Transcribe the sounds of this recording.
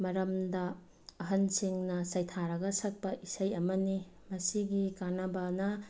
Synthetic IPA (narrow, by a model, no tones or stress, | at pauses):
mɐɾɐmdɐː | ɦɐnsiŋnɐsɐjtʰaɾɐɡɐsɐk̚pɐʔisɐjɐmɐni | mɐsiɡikanɐbanɐ